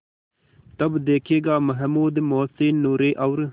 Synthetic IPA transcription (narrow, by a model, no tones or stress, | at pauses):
t̪ɐbd̪eːkʰeːɡaːməɦmuːd̪moːseːnːuːɾeːʔɐwɾ